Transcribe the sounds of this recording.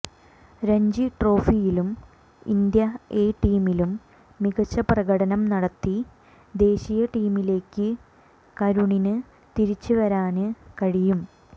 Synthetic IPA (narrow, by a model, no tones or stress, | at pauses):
ɾeɲd͡ʑiʈro̞ːfijilum | ḭnd̪jɐeːʈiːmilumː | iɡɐt͡ɕːɐprɐɣɐɽɐnɐmnɐɽɐt̪ːi | d̪e̞ːɕijɐʈiːmile̞ːkːɨ | kɐɾuɳinɨ | t̪iɾit͡ɕːuʋɐɾaːnɨkɐɻijum